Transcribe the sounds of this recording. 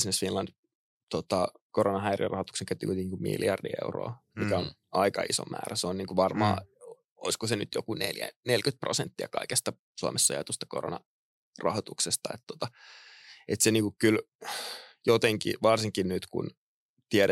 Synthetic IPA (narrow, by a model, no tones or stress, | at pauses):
snesfinlɑnd̥̪ | t̪ot̪ɑ | koronɑɦæirḭrɑhot̪ukseŋkæyt̪ːikut̪ːiikummḭljɑrdḭḛuro̰ːmmikæon | ɑikɑiso̰mːæ̰ːræseonniːŋkuʋɑrmɑː | oiskosenyt̪jokuneljæ̰nelkyt̪̚prosent̪ːiɑkɑikest̪ɑ | suɑmesːɑ̰jɑ̰t̪ust̪ɑ̥koro̰nɑ | rɑ̰hot̪uksest̪ɑet̪t̪ːot̪ɑ | et̪seniːŋkukkyl | jot̪eŋkḭʋɑrsiŋkinnyt̪kṵn | t̪iɛɾ